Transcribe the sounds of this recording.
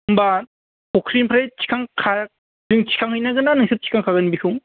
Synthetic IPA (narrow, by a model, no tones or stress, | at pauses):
mba | kʰɔkʰɾinpʰɾajt͡ʃʰi̥kʰaŋkʰa | zɯŋt͡ʃʰi̥kʰaŋhɯjnaɡɯnanɯŋsʰɯp̚t͡ʃʰi̥kʰaŋkʰaɡɯnibikʰɯŋ